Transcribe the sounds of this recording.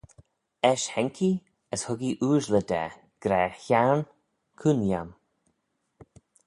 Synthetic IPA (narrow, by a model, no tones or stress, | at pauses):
ɛʃhɛŋkʰi | əshʊɡiʔuːʒləd̪ɛ̰ | ɡ̥ɾɛːçaɹn | kʰunjam